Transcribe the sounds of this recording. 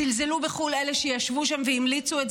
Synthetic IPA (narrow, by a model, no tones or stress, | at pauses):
ilzelubeχuleleʃejaʃvuʃamveimlit͡suet